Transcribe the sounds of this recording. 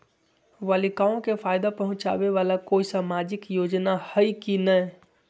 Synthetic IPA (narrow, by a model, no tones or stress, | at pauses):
ʋalikaːõkefʰaːɪd̪apɐɦʊ̃t͡ʃa̰ːʋeʋaːlakoːisaːmaːd͡ʒɪkjoːd͡ʒnahəikinə